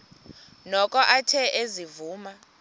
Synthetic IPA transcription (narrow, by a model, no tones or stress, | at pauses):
nɔkʼɔʔatʰɛʔezivuːma